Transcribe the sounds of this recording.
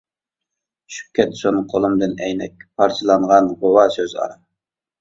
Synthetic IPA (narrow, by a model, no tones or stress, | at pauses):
ʃy̥pkʲʰːɛt̪sonqʰolˠɨmd̪ɨnɛjnɛk̚ʲpʰɑɾt͡ʃʰɨlˠɑɴʁɑnʁowɑsøzɑ̰ɾɑ